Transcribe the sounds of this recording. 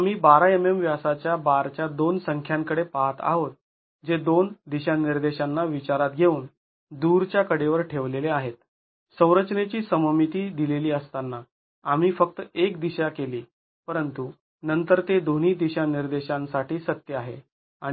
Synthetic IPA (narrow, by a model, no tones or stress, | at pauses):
am̤iːbaɾaememʋjasat͡ɕjabaɾt͡ɕjad̪onsəŋkʰjãŋkəɽepaɦat̪a̰ɦot̪̚ | d͡ʑed̪ond̪iɕaniɾd̪eɕanːaʋit͡ɕaɾat̪ɡʱeuːn | d̪uɾt͡ɕjakəɽeʋəɾʈʰeʋleleaɦet̪ | sə̃w̃ɾət͡ɕnet͡ɕiːsəməmit̪iːd̪ileliːəst̪anːa | am̤iːfək̚t̪əekd̪iɕakeliː | pəɾənt̪u | nənt̪əɾt̪ed̪on̤iːd̪iɕaniɾd̪eɕãnsaʈiːsət̪jəaɦe | a